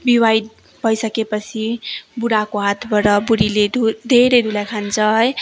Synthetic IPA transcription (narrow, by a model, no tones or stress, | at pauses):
biwaj̪ | bʱʌjsʌkepʌt͡sʰibuɽakoɦat̪ʰbʌɾʌbuɾiled̪ʱud̪ʱeɾʌjd̪ʱulajkʰant͡sʰʌɦʌj